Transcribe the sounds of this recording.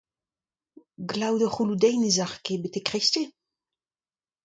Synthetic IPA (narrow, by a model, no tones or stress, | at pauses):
ɡlawdəχulud̪ɛjnizaχkebet̪ekʁeste